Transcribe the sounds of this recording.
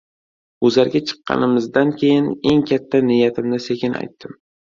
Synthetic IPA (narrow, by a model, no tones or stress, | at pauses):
ʊzaɾɡʲat͡ʃʰɨ̥qːɑ̰nɪmɪzd̪ankʲʰejɪne̞ŋkʲʰat̪ʰːanɪjat̪ʰɪmnɪsekʲɪna̰jt̪ʰːɪm